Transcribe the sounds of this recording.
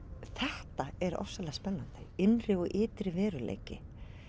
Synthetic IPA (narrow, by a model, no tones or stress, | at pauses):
θɛht̪aɛɾɔ̰fsaɾlɛːɣaspɛnːant̪ɪɪnrɪɔɣʔɪːt̪ɾɪvɛːɾʏlḛːjcɪ̰